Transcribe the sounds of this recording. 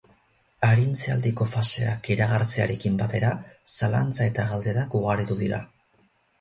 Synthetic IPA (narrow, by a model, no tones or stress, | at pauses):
aɾint͡sea̰ld̪iko̞fase̞a̰kiɾaɣ̞aɾt͡sea̰ɾe̞kimbat̪e̞ɾasala̰nt͡sae̞t̪aɣald̪e̞ɾakuɣ̞aɾit̪uðiɾa̰